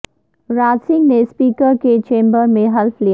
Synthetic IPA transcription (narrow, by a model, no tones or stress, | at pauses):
ɾaːd͡ʒsɪ̃ŋɡnespiːkəɾket͡ʃẽːmbəɾmẽɦɐlflij